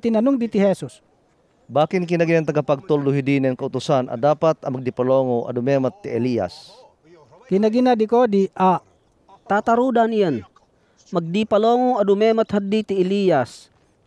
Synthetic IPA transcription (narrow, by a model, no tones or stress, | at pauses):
t̪ɪnɐnʊŋd̪it̪ɪhɛsus | baːkɪnkɪnaɡinɛnt̪ɐɡapaɡ̚t̪old̪ʊɦid̪inɛnkaʊt̪ʊsanʔa̰d̪aːpat̪ɐmaɡ̚d̪ipaloːŋoʔa̰d̪ʊmɛːmat̪ːiʔɛlija̰s | kɪnɐɡinad̪ɪkod̪iʔa | t̪aːt̪aɾud̪anijan | maɡ̚d̪ipaloːŋoadʊmɛmat̪had̪ːit̪iɛlijas